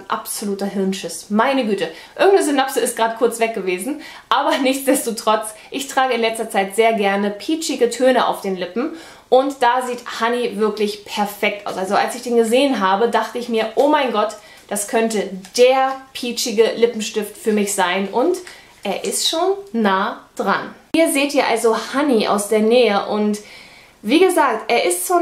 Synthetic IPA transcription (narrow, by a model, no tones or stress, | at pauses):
ʔa̰pz̥oluːtɐɦɪɐnʃɪsmaɪnəɡyːtə | ʔɪɐɡŋ̩tnəzʊnapsəɪstɡ̥ʁaːdəkʰʊɐt͡sv̥ɛk̚ɡ̥əveːzn̩ | ʔaːbɐnɪçt͡sd̥ɛstotʁ̥ɔt͡s | ʔɪçtʁ̥aːɡəɪnlɛt͡stɐt͡saɪtz̥eːɐɡɛɐnəpʰiːt͡ʃɪɡətʰøːnəʔa̰ʊfd̥eːnlɪpm̩ | ʔʊntd̥aːziːthanivɪɐklɪçpʰɛɐfɛk̚tʔa̰ʊsʔalzoʔalsɪçd̥eːnɡəzeːənɦaːbədaχtəɪçmiːɐʔoːmaɪnɡɔt | d̥askʰœntəd̥eːɐpʰiːt͡ʃɪɡəlɪpm̩ʃtɪftfyːɐmɪçz̥aɪnʔʊnt | ʔeːɐʔɪstʃoːnːaːd̥ʁa̰n | iːɐzeːtʔiːɐʔa̰lzohaniʔa̰ʊsd̥eːɐnɛːəʔʊnt | v̥iːɡəzaːk̚tʔeːɐʔɪstʃoː